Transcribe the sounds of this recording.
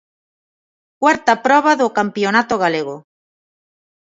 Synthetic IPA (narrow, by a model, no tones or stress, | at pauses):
kwaɾt̪apɾɔβ̞aðokampjonat̪oɣ̞aleɣ̞o